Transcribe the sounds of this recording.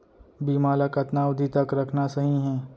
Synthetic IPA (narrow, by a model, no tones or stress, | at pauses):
biːmaːlakɐt̪naʊd̪ʱit̪ɐkɾɐkʰnasɐɦĩɦɛ̃ː